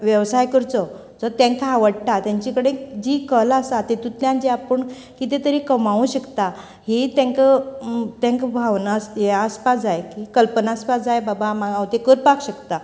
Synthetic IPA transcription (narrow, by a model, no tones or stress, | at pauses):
ʋjəʋsajkəɾt͡sɔ | d͡zɔt̪ɛ̃ŋkaʋəɽʈat̪jãɲt͡ɕikəɽed͡ʑikəlasat̪et̪ut̪ljãnd͡ʑeapəɳ | kit̪et̪əɾikəmaʋũɕəkt̪a | het̪ɛ̃ŋkət̪ɛ̃ŋkbʱaʋnaseəspad͡zajkikəlpənaəspad͡zajbabamaɡawt̪ekəɾpakɕəkt̪a